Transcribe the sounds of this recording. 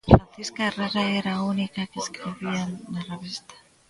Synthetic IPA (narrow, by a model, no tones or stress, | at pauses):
fɾanθiskaeraraeɾaunikakeskɾiβianaraβest̪e̥